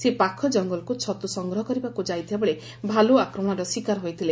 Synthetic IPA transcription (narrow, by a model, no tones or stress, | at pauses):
sepakʰɔd͡ʒɔŋɡɔlkut͡ʃʰɔt̪usɔŋɡɾɔɦɔkɔɾibakud͡ʒajt̪ʰibabeɭe | bʱaloakɾɔm̃ɔɾɔswikaɾɦojt̪ʰile